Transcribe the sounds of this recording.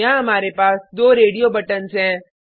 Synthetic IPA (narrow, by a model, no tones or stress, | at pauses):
ãɦɐmaːɾepaːsd̪oːɾeːɖijobɐʈənzɦɛ̃ː